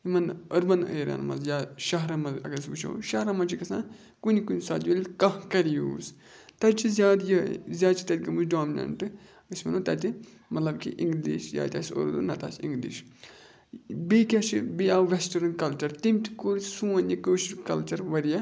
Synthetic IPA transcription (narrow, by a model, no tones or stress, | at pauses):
imɐnɐɾmɐnə̰ːɾɐ̰nmɐ̰zjaːʃɐɦɾɐmɐzɐ̰ɡɐɾsɡut͡ʃʰo̰ʃɐɾɐmɐnt͡ʃikɐsã̰ː | kunikunʲsaːd̪jɐlʲkɐɦkɐɾijṵːs | t̪ɐt͡ʃizʲjaːd̪jɐzʲaːd̪t͡ʃi̥t̪ɐt̪̚ʲkɐmuzdoːminɐ̰ɳʈɨ | ɡɐsmɐnot̪ɐt̪ʲi | mɐt̪lɐbkiʔiŋɡd̪iːʃja̰ːt̪ʲaːsʲo̰ɾd̪ṵnɐt̪a̰ːsḭŋɡdḭʃ | bekʲɐt͡ʃibijaːʋesʈɐɾɐnkɐlt͡ʃɐɾt̪imt̪ʰi̥koɾsũɐnikəʃiɾkɐlt͡ʃɐɾʋɐɾijɐ